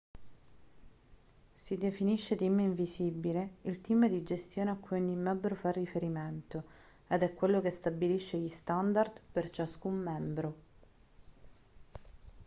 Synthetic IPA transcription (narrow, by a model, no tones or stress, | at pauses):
sid̪efiniʃːet̪imiɱvisibileilt̪imd̪id͡ʒest̪joːneakːujonimːɛbːɾofarːifeɾiment̪o | ed̪ɛkːwelːokest̪abiliʃːeʎist̪and̪ard̪pert͡ʃaskumːɛmbɾo